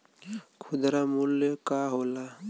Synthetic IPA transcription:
kʰʊd̪ɾamuljəkaɦoːla

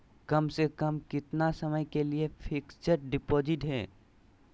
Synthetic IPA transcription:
kəmsekəmkɪt̪nasəməjkeliepʰɪkt͡ʃəɾɖɪpoːd͡ʒɪʈɦɛ̰ː

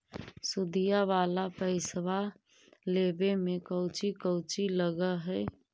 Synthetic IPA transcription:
sʊd̪ijaʋaːlapəɪsʋa | leːbemẽkəʊt͡ʃikəʊt͡ʃiləɡəɦɛː

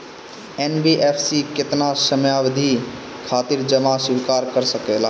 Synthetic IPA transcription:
enbiʔepʰsiket̪nasəmjabd̪ʱi | kʰat̪iɾd͡ʒəmasuikaɾkəɾsəkela

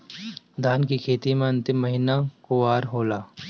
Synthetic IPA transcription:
d̪ʱaːnkikʰeːt̪imẽɐ̃nt̪ɪmːɐɦinakoaːɾɦoːlaː

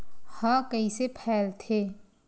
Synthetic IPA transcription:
hãːkɐisepʰɛːlt̪ʰeː

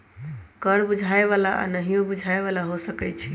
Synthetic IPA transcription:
kəɽbud͡ʒʱaeβalaʔa̰nəɦijõbud͡ʒʱaeβalaɦosəkɛt͡ʃʰi

